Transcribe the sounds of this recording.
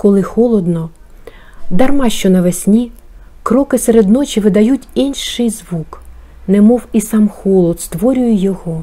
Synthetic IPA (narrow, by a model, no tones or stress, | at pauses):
kɔlˠɪxɔlˠɔd̪nɔ | d̪ɐrmɑʃt͡ʃɔnɐʋesʲnʲi | kɾɔkɪseɾed̪nɔt͡ʃiʋɪd̪ɐjutʲinʃɪjzʋuk | nɛmɔwisɑmxɔlˠɔd̪st̪ʋɔɾʲʊjʊjɔɦɔ